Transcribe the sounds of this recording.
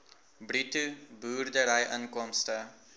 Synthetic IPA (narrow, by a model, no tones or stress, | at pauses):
britubuːrdəɾɐjʔɐnkɔmstə